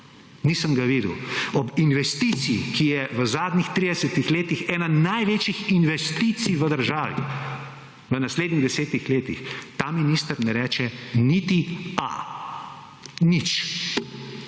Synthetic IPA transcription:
niːsəmɡaʋiːd̪əwɔbinʋɛst̪it̪sikijɛʋəzaːd̪nʲixt̪ɾid̪ɛsət̪ixleːt̪ixɛːnanajʋeːt͡ʃixinʋɛst̪it̪sijʋəd̪əɾʒaːʋḭ | ʋənasleːd̪niɣd̪ɛseːt̪nixleːt̪ḭxt̪aminist̪əɾnɛɾɛːt͡ʃɛnit̪ia̰ | nit͡ʃ

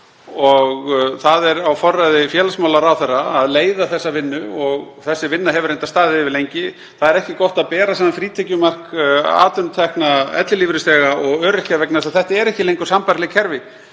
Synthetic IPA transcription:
ɔɣθaðɛɾawfɔrːajðɪfjɛːlasmawlaɾawθɛrːaːðleːjðaθɛsːavɪnːʏɔɣ | θɛsːɪvɪnːaɦɛvʏɾejnt̪ast̪aːðɪvɪlejɲcɪ | θaðɛɾɛhcɪkɔht̪aðpɛːɾasaːmanfɾiːt̪ʰɛcʏmar̥ka̰ːt̪ʏnʏt̪ʰɛhknaɛ̰t̪lɪliːvɾɪst̪ɛːɣaɔɣœːɾɪcavɛknasaθɛht̪aɛɾɛhcɪlejŋkʏ̥ɾsampaɾtlɪcʰɛɾvɪ

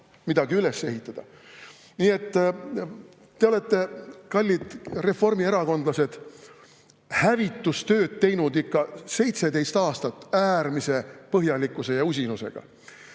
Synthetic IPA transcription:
mid̪̥ɑɡ̥iyle̞se̞hit̪ːˑɑd̪̥ɑ̰ | niːe̞t̪ː | t̪e̞o̞le̞t̪ːe̞kɑlʲːid̪̥re̞fo̞rmieɾɑko̞nd̪̥lɑse̞d̪̥ | hævit̪ːˑust̪ø̞ːd̪̥̚t̪e̞jnud̪ikːɑse̞jt̪se̞d̪e̞jst̪ɑːst̪ɑt̪ːˑæːrmise̞pɤɦjɑlikːˑuse̞jɑus̬ʲinuse̞̰ɡ̥ɑ̰

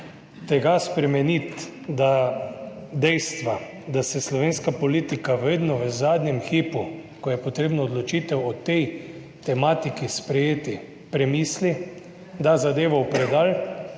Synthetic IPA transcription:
t̪ɛɡaspɾɛmɛnit̪ | d̪a | d̪ɛjst̪ʋa | d̪asɛslɔʋeːnskapoliːt̪ikaʋed̪nɔʋəzaːd̪nʲɛmxipukɔjɛpɔt̪ɾeːbnɔːd̪lɔt͡ʃiːt̪ɛwɔt̪ɛj | t̪ɛmaːt̪ikispɾɛjeːt̪i | pɾɛmiːsli | d̪azad̪eːʋɔwpɾɛd̪al

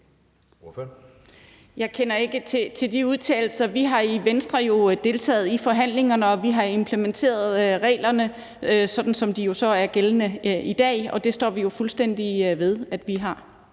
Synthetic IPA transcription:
jɑ̈ɪkʰenɐe̝ɡ̥ət͡sʰe̝t͡sʰe̝ld̥iuðˠt͡sʰɛ̰ːɪl̩sɐʋiɦɑ̈iʋensd̥ʁɐjo̝d̥e̝ːlt͡sʰɛ̰ːð̩ˠifɒ̽ɦæn̰le̝ŋɐnəɒ̽ʋiɦɑ̈e̝mpʰlement͡sʰe̝̰ːɐð̞̩ˠʁɛ̰ːlɐnə | øsɒ̽d̥n̩sɒ̽md̥ijo̝sɒ̽æɐɡ̥elənəid̥ɛ̰ːɒ̽d̥e̝sd̥ɒ̰ːʋijo̝fulsd̥en̰d̥iʋe̝ð̞ˠæd̥ʋiɦɑ̈

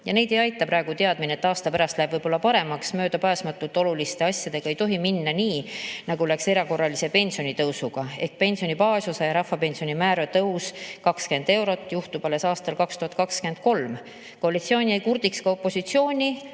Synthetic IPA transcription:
jɑne̞jd̪e̞jɑjt̪ːˑɑpɾɑeɡ̥ut̪e̞ɑd̪̥mineet̪ːɑːst̪ɑpæɾɑst̪læeb̥vɤjb̥o̞lːɑpɑɾe̞mɑksmø̞ːd̪ɑpæːsmɑt̪ːˑult̪ːˑo̞lulist̪e̞ɑsʲjɑd̪̥e̞ɡ̥ɑe̞jt̪o̞ɦiminːɑniːnɑɡulækse̞ɾɑko̞rːɑlise̞pe̞nʲsio̞nʲit̪ɤwsuɡ̥ɑe̞hk̪̚pe̞nʲsio̞nipɑːsusejɑɾɑhfːɑpe̞nsio̞nimæːɾøt̪ɤwskɑkske̞nd̪e̞wɾo̞t̪ːˑjuht̪ub̥ɑle̞sɑːst̪ɑlkɑkst̪uhɑt̪kɑkske̞nd̪̥̚ko̞lm | koɑlit̪sioːnʲiejkurd̪̥ikskɑo̞pːo̞sit̪sio̞ːnʲi

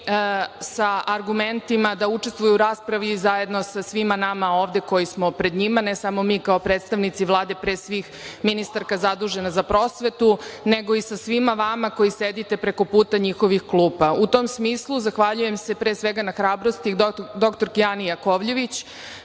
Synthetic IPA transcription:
saʔaɾɡument̪imad̪aut͡ʂest̪ʋujuɾaːspɾaʋizaje̞d̪no̞sasʋimanamao̞ːʋd̪e̞ko̞jismo̞pɾe̞d̪ɲimanesamo̞miːkaopɾet̪st̪aʋnit̪siʋlˠaːd̪e̞pɾesʋix | minist̪aɾkazad̪uːʒe̞nazapɾo̞sʋe̞t̪une̞ɡo̞isasʋimaʋamako̞jised̪it̪e̞pɾe̞ko̞puːt̪aɲixo̞ʋixklˠuːpaut̪o̞msmiːslˠuzaxʋaʎuje̞mse̞pɾeːsʋe̞ɡanaxɾaːbɾost̪id̪o̞kt̪o̞ɾkijanijako̞ʋʎe̞ʋit͡ɕ

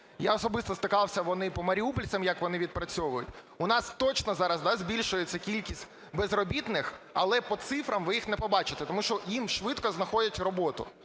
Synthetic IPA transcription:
jaɔsɔbɪst̪ɔst̪ɪkɑwsʲɐʋɔnɪpɔmɐɾʲiupɔlʲsɐmjɐkʋɔnɪʋʲid̪̚pɾɐt͡sʲɔʋʊjʊtʲ | ʊnɑst̪ɔt͡ʃnɔzɑɾɐzd̪ɑzʲbʲilʲʃʊjet͡sʲːɐkʲilʲkʲisʲtʲ | bezrɔbʲit̪nɪxɐlˠɛpɔt̪sɪfɾɐmʋɪjixnɛpɔbɑt͡ʃɪ̥t̪ɛt̪ɔmuʃt͡ʃɔjimʃʋɪt̪kɔznɐxɔdʲɐtʲrɔbɔt̪ʊ̰

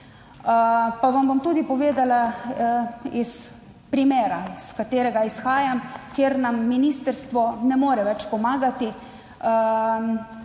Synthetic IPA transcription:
paʋambomt̪uːd̪ipɔʋeːd̪ala | is | pɾimeːɾaskat̪eːɾɛɡaisxaːjamkeɾnamːiniːst̪əɾst̪ʋɔnɛmoːɾɛʋɛt͡ʃpɔmaːɡat̪i

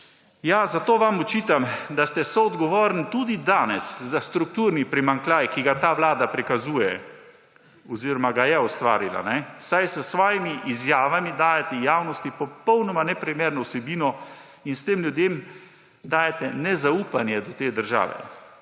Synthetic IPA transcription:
jazat̪oːʋamɔt͡ʃiːt̪amd̪ast̪ɛsɔːd̪ɡɔʋoːɾnit̪uːd̪id̪aːnɛszast̪ɾuk̚t̪uːɾnipɾimaŋklaːjkiɡat̪aːʋlaːd̪apɾikazuːjɛ | ɔziɾɔmaɡajɛɔst̪ʋa̰ːɾila̰nɛsajsəsʋɔːjimiʔizjaːʋamid̪aːjɛt̪ɛjaːwnɔst̪ipɔpɔwnɔmanɛpɾimeːɾnɔwsɛbiːnɔ | inst̪eːmljud̪jeːm | d̪aːjɛt̪ɛnɛzauːpanjɛd̪ɔt̪eːd̪əɾʒa̰ːʋɛ̰

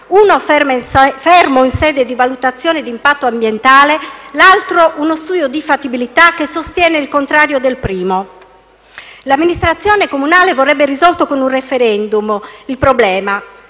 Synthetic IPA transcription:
unofɛmfɛrmoinsɛːd̪ed̪ivalut̪at̪sːjɔːned̪impat̪ːoambjent̪aːlelalt̪ɾoʔunost̪uːd̪jod̪ifat̪ːibilit̪akːesost̪jɛːneilkont̪ɾaːɾjod̪elpɾiːmo | lamːinist̪ɾat̪sːjɔːnekomunaːlevorːɛbːerizɔlt̪okonunrefeɾɛnd̪umilpɾoblɛːma

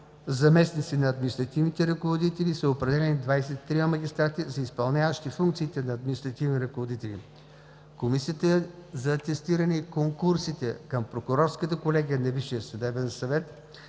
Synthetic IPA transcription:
zɐmɛsnit̪sinɐːd̪minist̪ɾɐt̪ivnit̪ɛɾɐkovod̪it̪ɛlisɐopɾɛd̪ɛlɛnid̪vajsɛt̪i̥t̪ːɾimɐmɐɡʲist̪ɾat̪izɐispɐlˠnʲavəʃt̪ifuŋk̚t̪siːt̪ɛnɐːd̪minist̪ɾɐt̪ivniɾɐkovod̪it̪ɛlḭ | komisiət̪əzɐt̪ɛst̪iɾɐnɛikoŋkuɾsit̪ɛkəmpɾokʊɾɔɾskət̪əkolɛɡʲiənɐviʃijəsɐd̪ɛbɛnsɐvɛt̪

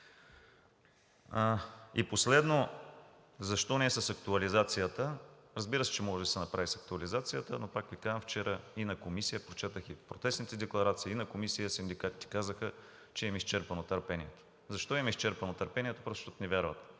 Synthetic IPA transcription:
ḭposlɛd̪no | zɐʃt̪ɔnɛɛsɐsɐkt̪uɐlizat̪sijət̪əɾɐzbiɾəsɛ̥t͡ʃɛmɔʒɛd̪ɐsɛnɐpɾavisɐk̚t̪uɐlizat̪sijət̪ə̰nopakvikazmft͡ʃɛɾʔəinɐkomisijəpɾot͡ʃɛt̪əxipɾot̪ɛsnit̪ɛd̪ɛklˠɐɾat̪siːnɐkomisijəsind̪ikat̪i̥t̪ɛ̥kazəxə | t͡ʃɛɛmist͡ʃɛɾpɐnot̪ɐɾpɛnʲiɛt̪o̥ | zɐʃt̪ɔimɛist͡ʃɛɾpɐnot̪ɐɾpɛniɛt̪o̥pɾot̪ot̪nɛvʲjaɾvət̪

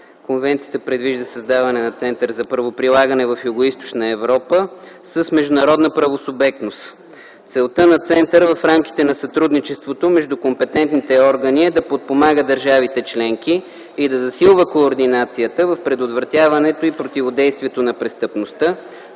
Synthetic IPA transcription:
konvɛnt̪sijət̪əpɾɛd̪viʒd̪əsəzd̪avɐnɛnɐt̪sɛnt̪əɾzɐpɾɐvopɾilˠaɡənɛvɐfjuɡoist̪o̥t͡ʃnəɛvɾɔpə | səsmɛʒd̪ʊnɐɾɔd̪nəpɾɐvosʊbɛk̚t̪nos | t̪sɛlˠt̪ənɐt̪sɛnt̪əɾvɐfɾamki̥t̪ɛnɐsɐt̪ɾud̪nit͡ʃɛst̪vot̪omɛʒd̪ukompɛt̪ɛnt̪nit̪ɛɔɾɡəniɛd̪ɐpot̪̚pomaɡəd̪əɾʒavit̪ɛt͡ʃlɛŋk̟iː | d̪ɐzɐsilˠvəkoːɾd̪inat̪sijət̪əvɐfpɾɛd̪ot̪vɾɐt̪ʲjavɐnɛt̪oipɾot̪ivod̪ɛjst̪viɛt̪onɐpɾɛst̪əpnost̪ɤ

